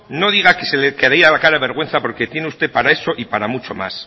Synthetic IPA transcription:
no̞ð̞iɣ̞akeselekeɾaiɾalakaɾaβe̞ɾɣ̞we̞nθapo̞ɾke̞t̪je̞neust̪e̞paɾae̞so̞ʔipaɾamut͡ʃo̞̰ma̰s

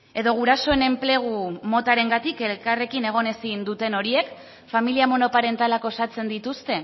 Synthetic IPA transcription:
e̞ðo̞ɣ̞uɾaso̞ene̞mple̞ɣ̞umo̞t̪aɾe̞ŋɡat̪ike̞lkare̞kine̞ɣ̞o̞ne̞sind̪ut̪e̞no̞ɾie̞k | familiamo̞no̞paɾe̞nt̪alako̞sat͡se̞nd̪it̪ust̪e̞

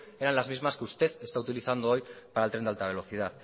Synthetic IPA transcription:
eɾanlazmizmaskeust̪eθest̪aut̪iliθand̪oojpaɾalt̪ɾed̪alt̪aβ̞e̞lo̞θið̞aθ

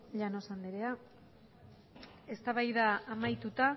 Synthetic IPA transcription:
ʎanosand̪eɾea | e̞st̪aβajðaːmajt̪ut̪a

